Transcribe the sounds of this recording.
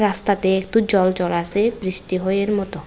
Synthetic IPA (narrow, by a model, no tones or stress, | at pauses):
ɾast̪at̪eekʈud͡ʑɔlt͡ɕɔlasebɾiʃʈiɦoeɾmɔt̪o